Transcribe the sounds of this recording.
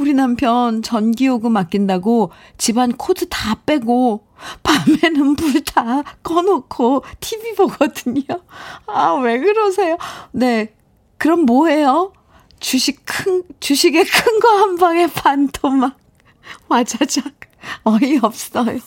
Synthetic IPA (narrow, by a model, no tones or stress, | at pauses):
uɾinampʰjʌnt͡ɕʌnɡioɡɯmak͈indaɡo | t͡ɕibankʰodʰɯtap͈e̞ɡo | pame̞nɯnpuɭtʰak͈ʌnokʰotʰibiboɡʌdɯɲoaweɡɯɾʌs̬ʰe̞jone̞ | kɯɾʌmmoɦe̞jo | t͡ɕuɕʰikkʰɯt͡ɕuɕʰiɡe̞kʰɯŋɡahambaɡe̞pantʰomak̚ | mad͡ʑad͡ʑak̚ | ʌiʌp̚s͈ʌjo